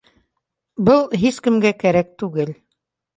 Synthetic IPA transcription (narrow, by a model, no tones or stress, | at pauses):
bɤlˠɦiskɘ̆mɡækæɾæk̚t̪ʉɡɘl